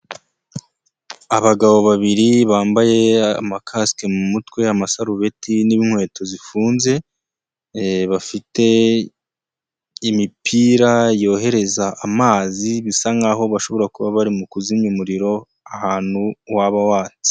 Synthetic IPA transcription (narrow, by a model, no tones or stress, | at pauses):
aβaɡaβo̞βaβiɾiβaːmbaje̞a̰makʰaske̞mumutkwe̞amasaɾuβe̞tiniβinŋwe̞ːtʰo̞zifuːnze̞ | βafite̞ | imipʰiːɾajo̞ːɦe̞ɾe̞zaːmaːziβisaŋɡaɦo̞βaʃo̞βo̞ɾakuβaβaɾimukuziɲumuɾiɾo̞ | ahaːn̥huwaβawaːt͡si̥